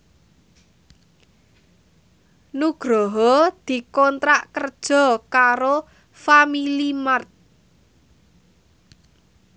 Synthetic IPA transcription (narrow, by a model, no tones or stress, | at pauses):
nuɡ̥ɾɔɦɔd̪̥i̤kɔnt̪ɾaʔkərd̥ʒ̥ɔ̤kaɾo | familimart̪̚